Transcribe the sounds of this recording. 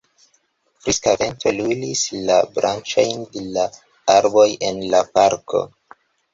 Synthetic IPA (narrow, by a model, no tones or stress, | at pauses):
fɾiskave̞ntolulislabɾʔant͡ʃajndela | aɾbo̞jʔe̞nlapaɾkʰo̞̰